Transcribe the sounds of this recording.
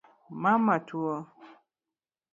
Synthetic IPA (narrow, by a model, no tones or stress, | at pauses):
mamatuɔ